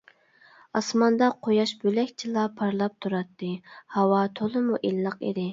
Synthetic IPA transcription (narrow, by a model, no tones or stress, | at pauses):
ɑsmɑnd̪ɑqʰojɑʃbølɛkʲt͡ʃʰilˠɑpʰɑɾlˠɑp̚t̪ʰuɾɑt̪ʰːɨhɑwɑt̪ʰolˠɨmuʔilːˠəqḛd̪ɪ